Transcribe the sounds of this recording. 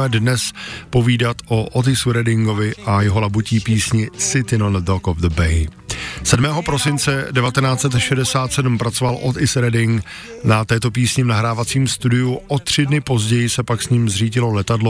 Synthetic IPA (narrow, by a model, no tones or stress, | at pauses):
ɛdnɛspo̞viːdat̪ʔoʔot̪ɪsuɾɛdɪŋɡo̞vɪʔajɛɦo̞labuciːpiːsɲɪsɪt̪ɪnondokovðəbɛjsɛdmɛːɦo̞pɾo̞sɪnt͡sɛdɛvat̪ɛnaːt͡sɛt̪ʃɛdɛsaːt̪sɛdm̩pɾat͡sovalʔo̞t̪ɪsɾɛdɪŋk | nat̪ɛːt̪o̞p̬iːsɲɪvnaɦɾaːvat͡siːmst̪udɪjuʔo̞t̪r̝̥ɪdnɪpo̞zɟɛjɪsɛpaksɲiːmzriːɟɪlo̞lɛt̪adlo